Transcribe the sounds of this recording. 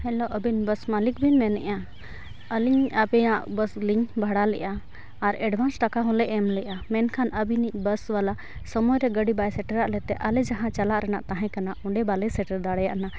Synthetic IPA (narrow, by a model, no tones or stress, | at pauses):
hɛloʔəbinbəsmalik̚binmɛnɛ̰ʔa | əliɲabɛãʔbəsliɲbʱaɽalɛʔaː | ɾɛɖbʱansʈakaɦɔ̃lɛʔɛmlɛʔamɛnkʰanəbiniʔ̚bəswala | səmɔjɾɛɡəɖibajsɛʈəɾaʔlɛt̪ɛʔalɛd͡ʒaɦãt͡ʃalaʔɾɛnaʔt̪ãɦɛ̃kanaʔɔɳɖɛbalɛsɛʈəɾd̪aɽɛja̰ʔna